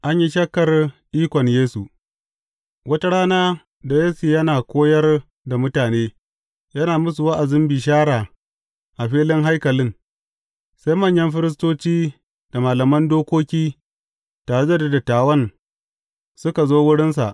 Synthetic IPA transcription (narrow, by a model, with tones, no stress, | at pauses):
ʔa˦ɲji˦ʃɐ˦kːɐ˨rʔiː˦kʷɔ˨ɲjeː˦su˨ | wɐ˦ta˦ɽaː˦naː˦ | da˨jeː˦su˨jɐ˦naː˨kʷoː˦jɐ˦r | da˨mʊ˦taː˨neː˦ | jɐ˦naː˨mʊ˦s̬u˨wa˦ʔa˨zɪ˦mbi˨ʃ̬aː˦ɽaː˨ | ʔa˨ɸiː˦lɪ˦ŋɦa˦jkɐ˨lɪ˦ŋ | sa˦jmɐ˦˨ɲjɐ˦mɸɪ˦ɾɪ˦s̬toː˦t͡ʃiː˦ | d̥a˨maː˨lɐ˨mɐ˦ndoː˦kʷoː˦kʲiː˦ | taː˨ɽe˦da˦da˨da˨taː˨wɐ˦n | sʊ˦ka˨zoː˦wʊ˦ɽɪ˦ns̬a̰˨ʔ